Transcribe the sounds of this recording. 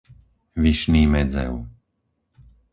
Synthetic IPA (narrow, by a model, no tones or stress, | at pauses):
ʋiʃniːmɛd͡zɛ̰ʊ